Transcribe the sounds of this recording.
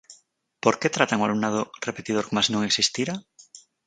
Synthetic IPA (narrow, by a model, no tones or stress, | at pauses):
poɾket̪ɾat̪aŋoalunaðorepe̞t̪ið̞oɾkomasnõŋeksist̪iɾa